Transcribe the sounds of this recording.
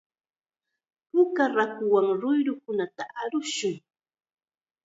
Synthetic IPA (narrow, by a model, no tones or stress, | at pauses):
pʊkaɾakʊwaŋɾʊjɾʊkʊnat̪aʔaɾʊʃʊŋ